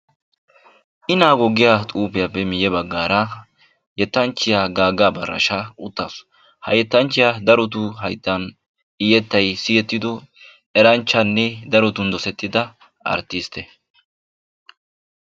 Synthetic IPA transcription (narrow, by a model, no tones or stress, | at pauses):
ʔɪnaːɡɔɡɪjat̪ʼuːpɪjapːɛmɪjɛbɐɡːaːɾɐ | jɛt̪ːɐnt͡ʃːɪjaɡaːɡːaːbɐrːɐ̰ʃaʔʊt̪ːaːsɔ̥ | hɐ̰jɛt̪ːɐnt͡ʃːɪjad̪ɐɾɔt̪̬ʊɦɐjt̪ːɐn | ɪjɛt̪ːɐjsɪjɛt̪ːɪd̪ɔ | ɛɾɐnt͡ʃːɐnːɛd̪ɐɾɔt̪ʊnd̪ɔsɛt̪ːɪd̪ɐ | ʔɐ̰ɾt̪ːiːst̪ɛ